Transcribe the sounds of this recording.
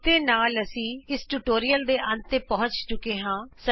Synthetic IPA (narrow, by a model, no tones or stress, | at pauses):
t̪eːnaːləsĩːɪsʈuːʈoːɾiːəld̪eːʔənt̪eːpəɦʊ̃ɲt͡ʃt͡ʃʊkeːɦãːsə